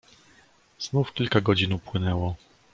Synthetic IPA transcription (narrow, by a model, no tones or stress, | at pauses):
z̥nufkʲilkaɡɔd͡ʑinupwɘnɛwɔ